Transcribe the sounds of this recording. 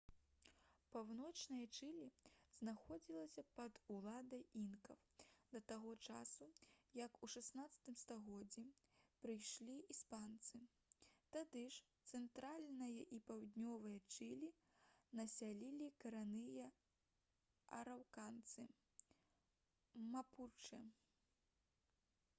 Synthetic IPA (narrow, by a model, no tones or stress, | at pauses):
pawnɔt͡ʂnɨjɐt͡ʂɨlʲiznaxɔd͡zʲilˠɐsʲɐpɐd̪ulˠad̪ɐjinkɐwd̪ɐt̪aɣɔt͡ʂasujɐkuʂasnat̪sɐ̥t̪ɨmst̪aɣɔd͡zʲːipɾɨjʂlʲiispant̪sɨ | t̪ad̪ɨʂt̪sɛnt̪ɾalʲnɐjɐʔipawd̪ʲnʲɔvɨjɐt͡ʂɨlʲi | nɐsʲalʲilʲikɐɾanɨjɐ | ɐ̰ɾawkant̪sɨ | maput͡ʂɨ